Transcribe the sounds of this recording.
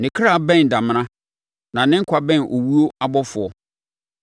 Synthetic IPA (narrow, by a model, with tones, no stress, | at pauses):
nɪ̃˨kʰɾa˦˨bɛ̃˦˨n˨da˨mɪ̃˦nã˦ | nã˨nɪ̃˦ŋ̩˦kʷʰa˨bɛ̃˦˨nʔo˨wu˦o˦a˦bɔ˦fʊ˨ɔ˦